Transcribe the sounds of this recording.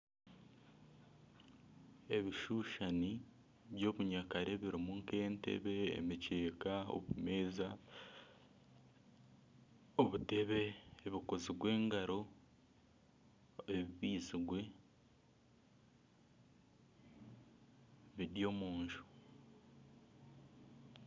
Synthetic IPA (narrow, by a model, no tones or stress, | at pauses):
e̞βiʃuːʃani | βjo̞ːβuɲakaɾe̞βiɾimuŋke̞ːntḛβe̞̰ːmice̞ːkao̰βume̞ːza | oβute̞βe̞ːβikoziɡwe̞ːŋɡaɾo̞ | eβiβiːziɡwe̞ | βiɾjo̞ːmuːɲʒo̥